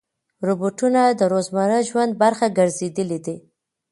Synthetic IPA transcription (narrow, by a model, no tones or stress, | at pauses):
ɾoboʈunad̪əɾozmaɾəʒwand̪̚baɾxaɡəɾzed̪əlid̪i